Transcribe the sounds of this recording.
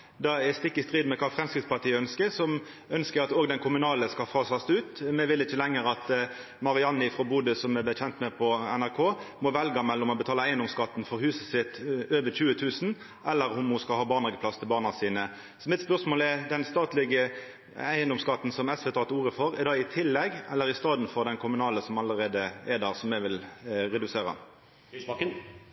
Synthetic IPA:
d̪ɑɛst̪ɪkːɪst̪ʁiːd̪mɛkʰɑːfʁɛmskɾɪt̪spɑʁʈ̪ʰiːəœnskəɾsɔm | œnskəɾɑt̪oːɡd̪ɛnkʰʊmʉnɑːləskɑfɑːsɑst̪ʉːt̪mɛʋɪlɪçəlɛŋːəɾɑt̪ | mɑʁɪɑnːɪfʁɔbuːd̪əsɔmɛbəçɛnt̪mɛpʰɔɛnæʁkʰoːmɔʋɛlɡɑmɛlːɔmɔbət̪ʰɑːləæɪənd̪ɔmskɑt̪ːn̩fɔɾhʉːsəsɪt̪øːʋəçʉːət̪ʰʉːsn̩ | ʔɛlːəɾʊmhʊskɑlhɑːbɑːʁnɑɡəpʰlɑst̪ʰɪlbɑːʁnɑsiːnə | sɔmɪt̪spœʁsmoːlɛʁd̪ɛnst̪ɑːt̪lɪɡə | æɪənd̪ɔmskɑt̪ːn̩sɔmɛsʋɛt̪ʰɑːt̪uːʁəfɔʁɛʁd̪ɑɪt̪ʰɪlːɛɡɛ̰lːəɾɪst̪ɑːd̪n̩fɔʁd̪ɛnkʰʊmʉnɑːləsɔmɑləɾeːd̪əɛd̪æːʁsɔmːɛʋɪlʁɛd̪ʉseːʁə̰

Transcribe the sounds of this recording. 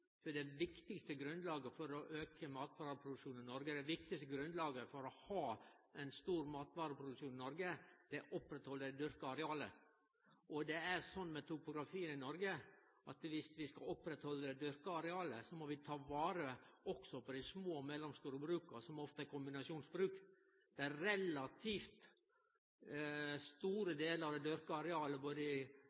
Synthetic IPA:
fɔɖ̪ɛʋɪkt̪ɪkst̪əɡɾʉnd̪lɑːɡəfɔɾɔʔøːkʰəmɑːt̪ʋɑːɾəpʰɾʊd̪ʉkʂuːnɪnɔɾɡəd̪ɛʋɪk̚t̪ɪkst̪əɡɾʉnd̪lɑːɡəfɔɾɔhɑːɛnst̪uːɾmɑːt̪ʋɑːɾəpʰɾʊd̪ʉkʂuːnɪnɔɾɡəd̪̥ɛʔɔpɾɛt̪hɔlːəd̪ɛd̪ʏɾkəɑɾɛɑːlə̰ | ʔɔd̪ɛæɾsɔnːmɛt̪ʊpʊɡɾɑfiːənɪnɔɾɡə | ʔɑt̪ʋɪst̪ʋɪskɑɔpːɾɛt̪hɔlːəd̪ɛd̪ʏɾkəɑɾɛɑːləsɔmɔʋɪt̪ʰɑːʋɑːɾəɔksɔpɔd̪ɪsmoːmɛlɔmst̪uːɾəbɾʉːkəsɔmɔft̪əæɾkʰʊmbɪnɑʂuːnsbɾʉːk | d̪̥ɛæɾɛlɑt̪ʰiːft̪ | st̪uːɾəd̪eːləɾɑd̪ɛd̪ʏɾkəɑɾɛɑːləboːd̪əɪ

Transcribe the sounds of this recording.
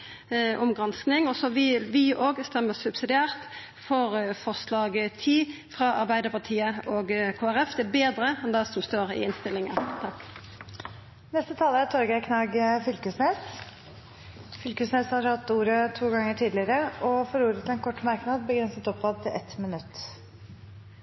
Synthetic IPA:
ʔʊmɡʁɑnsknɪŋɔsɔʋɪʋɪʔoːɡst̪ɛmːəsʉbsɪd̪ɪæːʁt̪ | fɔʁfɔslɑːɡt̪ʰiːfʁɑʔɑɾbæɪd̪əpɑʈ̪ʰiːəoːɡkʰoːæʁɛfd̪ɛbeːd̪ɾəɛnd̪ɛsɔmst̪oːʁɪ̰ɪnst̪ɪlːɪŋənt̪ʰɑkː | nɛst̪ət̪ʰɑːləæt̪ʰɔɾɡækʰnɑɡfʏlkəsneːs | fʏlkəsneːshɑɾhɑt̪ːuːɾət̪ʰuːɡɑŋːəʈʰiːd̪lɪəɾəɔfɔɾuːɾət̪ʰɪɛnkʰɔʈːmɑɾknɑd̪bəɡɾɛnsət̪ɔpbɑd̪̚t̪ʰɪlʔɛt̪mɪnʉt̪ː

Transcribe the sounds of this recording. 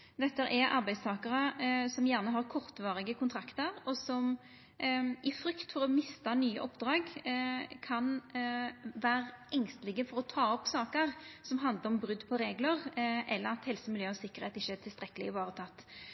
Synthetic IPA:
d̪ɛt̪ːəæɾʔɛɾʔɑ̰ɾʁbæɪd̪st̪ʰɑːkɑʁəsɔmjæːʁnəɦɑʁkʰɔʁt̪ʋɑːʁɪɡəkʰʊnt̪ʰɾɑkt̪əɾɔsɔm | ʔɪfɾʏkt̪fɔɾɔmɪst̪ɑnyːə̰ʔɔpːd̪ɾɑːɡ | kʰɑn | ʋæːɾɛŋst̪əlɪɡəfɔɾɔt̪ʰɑːɔpːsɑːkəɾsɔmɦɑnd̪ləɾɔmbɾʏd̪ːpʰɔɾeːɡləʁʔɛlːəɾɑt̪hɛlsəmɪljøːɔsɪkːəɾheːt̪ɪçːəːt̪ʰɪlst̪ɾɛkːəlɪɪʋɑːʁət̪ʰɑt̪ː

